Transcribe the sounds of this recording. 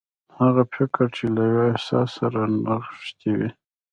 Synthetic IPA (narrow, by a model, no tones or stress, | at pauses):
haɣafɪkɾt͡ʃʰelajwoɪhsɑsːaɾanaχʃt̪iwḭ